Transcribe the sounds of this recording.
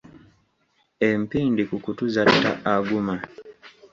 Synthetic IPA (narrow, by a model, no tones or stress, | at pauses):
empindikukutuzatːa̰aɡuma